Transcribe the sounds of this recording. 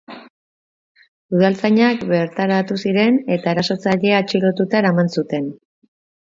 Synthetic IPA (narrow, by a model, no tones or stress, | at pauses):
uð̞alt͡saɲakbe̞ɾt̪aɾat̪usiɾe̞ne̞t̪ae̞ɾaso̞t͡saʎe̞at͡ʃilo̞t̪ut̪aeɾamansut̪e̞n